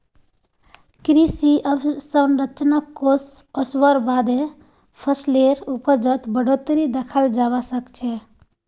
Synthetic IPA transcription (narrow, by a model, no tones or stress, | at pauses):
kɾisiʔəbsənɾət͡ʃnakːosəswəɾbad̪e | pʰəsleɾupəd͡ʒət̪bəɽot̪ɾid̪ekʰəld͡ʒabasəkt͡ʃʰɛ